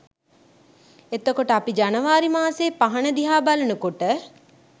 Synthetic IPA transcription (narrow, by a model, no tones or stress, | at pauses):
et̪əkoʈəapid͡ʒanəʋaːɾimaːseːpaɦɐnəd̪iɦaːbalɐnukoʈə